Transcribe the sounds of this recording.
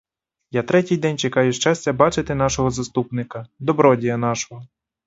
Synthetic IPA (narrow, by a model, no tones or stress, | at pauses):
jat̪ɾɛtʲijd̪ɛnʲt͡ʃekɑjʊʃt͡ʃɑsʲt͡sʲɐbɑt͡ʃɪt̪ɪn̪ɑʃɔɦɔzɐst̪upnɪkɐd̪ɔbɾɔdʲijɐnɑʃɔɦɔ